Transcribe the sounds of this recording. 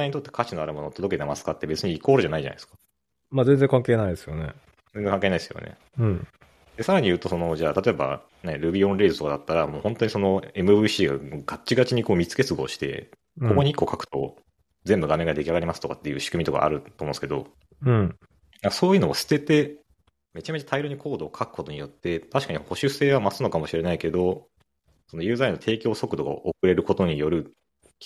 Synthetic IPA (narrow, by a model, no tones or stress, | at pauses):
aiɲit̪ot̪ːe̞̥kʰat͡ɕino̞aɾɯmo̞noːt̪oo̞ket̪e̞masɨ̥kat̪ːe̞be̞t͡sɨɲ̟iːkoːɾɯ̟ʑanaiʑa̰n̰id̪eskḁ | mazẽnd͡zẽ̞ŋkãŋke̞ːnaid̪esɨjonḛ | zẽnd͡zeŋkaŋkenaid̪esɨjo̞̰nʔḛ | ɯ̃ɴ | d̪̥e̞saɾaɲ̟ijɯ̟ːt̪o̞so̞no̞ʑaːt̪at̪o̞e̞ba̰ | ne̞ɾɯ̟bʲiõ̞nɾe̞ːsɨ̥t̪o̞kad̪at̪ːaɾamo̞ːhont̪o̞ɲ̟iso̞no̞e̞mɯ̟bɯɕiːɡa̰ɡ̥at͡ɕiɡat͡ɕiɲ̟ikoːmʲit͡sɨ̥ke̞t͡sɨɡoːɕi̥t̪e̞̰ | koko̞ɲ̟iikːo̞kʰakɯ̥t̪o̞̰ | d͡zẽ̞mbɯ̟ɡame̞ŋɡad̪e̞kʲaɡaɾʲimasɨ̥t̪o̞kat̪ːe̞jɯ̟ːɕi̥kɯ̟mit̪o̞ka̰a̰ɾɯ̟t̪oːmõsɨ̥ked̪o̞̰ | nakaso̞ːjɯno̞asɨ̥t̪e̞t̪e̞ | me̞t͡ɕame̞t͡ɕat̪aiɾoɲ̟ikʰo̞ːd̪o̞ːkʰakɯ̥ko̞t̪o̞ɲ̟ijo̞t̪ːe̞t̪aɕi̥kaɲ̟iho̞ɕɨse̞ːβamasɨno̞kamo̞ɕiɾe̞naike̞d̪o̞ | sono̞jɯ̟ːzainːot̪ʰe̞ːkʲo̞ːso̞kɯ̟d̪o̞ɡa̰ʔokɯ̟ɾe̞ɾɯ̟ko̞t̪o̞ɲ̟ijo̞ɾɯ̟